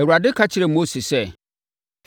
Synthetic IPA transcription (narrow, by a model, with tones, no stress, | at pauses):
ɛ˨wu˨ɾa˨dɪ˦kʰa˦t͡ɕʰɪ˨ɾɛ˨mo˦si˨sɛ˦